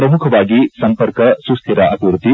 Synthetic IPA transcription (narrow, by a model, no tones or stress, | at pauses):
ɾɐmukʰɐbaːɡisɐmpɐɾkɐsust̪ʰiɾaʔɐkuɾut̪i